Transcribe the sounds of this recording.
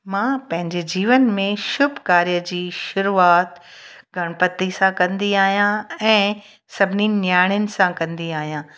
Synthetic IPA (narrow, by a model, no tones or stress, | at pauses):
mãːpɐ̃ɦɪ̃ɲd͡ʑed͡ʑiːʋənmẽʃʊbʱkaːɾjəd͡ʑiːʃʊɾuːaːt̪ | ɡʱɐɽ̃pət̪isãkɐ̃nd̪iaːɦijãɛ̃ː | sɐbʱɪninjaːɪɽ̃ənɪ̆sãkɐ̃nd̪iaːɦijãː